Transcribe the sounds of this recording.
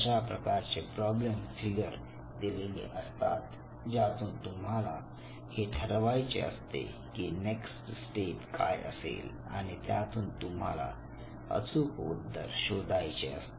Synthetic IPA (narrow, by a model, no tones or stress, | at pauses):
ɕapɾəkaɾt͡sepɾɔblemfiɡəɾ | d̪ilelḭʔəst̪a̰t̪ | d͡ʑat̪uːnt̪um̤ala | heʈʰəɾʋajt͡ɕḛə̰st̪ḛ | kiːneksʈsʈeʈka̰jə̰sḛl | a̰ɽ̃it̪jat̪uːnt̪um̤a̰la̰ | ə̰t͡sukṵd̪ːəɾɕod̪ʱajt͡ɕeə̰st̪e